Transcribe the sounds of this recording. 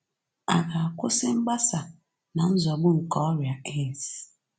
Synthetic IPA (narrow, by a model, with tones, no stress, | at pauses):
a˨ka˨a˨kʊ˦sɪ˦m̩˦ɡ͡ba˦sa˨ | na˨n̩˦zɔ˨ɡ͡bʊ˦ŋ̩˨kɔ˦ɾja˨e˦˨si˨